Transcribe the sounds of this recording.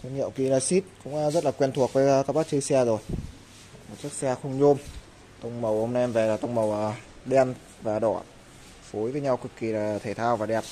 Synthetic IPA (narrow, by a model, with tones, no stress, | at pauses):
tə˧˩ŋḭ˧˨əwki˨˦laː˨˩si˦˥t̚kʊ̰˧˥ŋ͡mzə˦˥t̚laː˨˩kwɛ˧nt̪ʰu˨˩ək̚vəː˨˦˧kaː˦˥k̚ɓa˦˥k̚t͡ɕɨ˧sɛ˧zo˨˩j | mo˨˩t̚t͡ɕək̚sɛ˧xə˧wŋ͡mɲo˧m | t̪ə˧wŋ͡mmə˨˩whə˧wŋ͡mn˧ɛ˧mve˨˩laː˨˩t̪ə˧wŋ͡mmə˨˩wʔː | ɗe˧n | vaː˨˩ɗɔ̰˧˩˨ | fo˨˦jvəː˨˦jɲa˧wki˨˩kːi˨˩laː˨˩t̪ʰe˨˩t̪ʰaː˧wvaː˨˩ɗɛ˨˩p̚